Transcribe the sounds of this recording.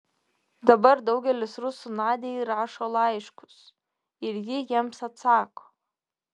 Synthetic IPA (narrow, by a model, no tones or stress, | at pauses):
dabardowɡʲalɪsrʊsunʕadejrʕaʂolajiʂkʷʰʊz | irɡʲɪjamsat͡sʰaːkʷʼ